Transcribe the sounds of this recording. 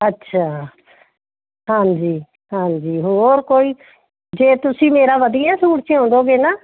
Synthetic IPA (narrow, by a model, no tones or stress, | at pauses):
ətːʃʰaː | hãːnd͡ʒiː | hãːɲd͡ʒiːɦoːɾkoːiː | d͡ʒeːt̪ʊsĩːmeːɾaːʋəd̪ijaːsuːɽt͡ʃɪõːnd̪oːɡeːnaː